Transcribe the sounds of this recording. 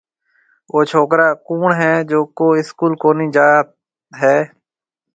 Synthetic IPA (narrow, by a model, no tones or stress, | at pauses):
ʔoːt͡ʃʰoːkɾaːkuːɳɦɛːd͡ʒoːkoːɪskuːlkoːnĩːd͡ʒaːt̪̚ | ɦɛː